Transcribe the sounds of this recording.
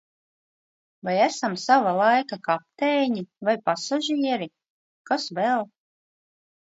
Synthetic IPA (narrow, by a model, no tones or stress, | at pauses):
vajæsamsavalˠajkakap̚t̪ɛːɲivajpasaʒiɛɾi | kasvɛlˠ